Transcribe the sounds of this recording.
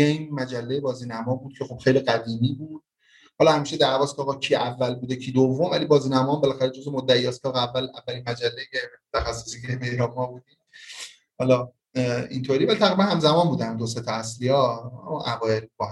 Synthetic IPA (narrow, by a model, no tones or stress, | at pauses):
eĩːnmæd͡ʒælːejebɒːziːnæmɒːbuːd̪̥̚cʲʰe̞xo̞b̥xe̞jliɡæd̪iːmiːbuːd̪̥ | hɒlɒhæmiːʃed̪æɾvɒːskʰeɒːɣɒcʰiːʔævːælbuːd̪ecʰiːd̪ovːomvælibɒːziːnæmɒːmbelæxæɾed͡ʒozemod̪ːæijɒːskɒːɣeævːælævːælinmæd͡ʒælːeet̪ʰæxæsːosikeɾemeɾɒmɒːbuːd̪iːm | hɒlɒ | int̪ʰoːɾivælit̪ʰæɣɾibænhæmzæmɒːnbuːd̪æmd̪oset̪ʰɒæslijɒːæ̰mʔæbɒːebɒ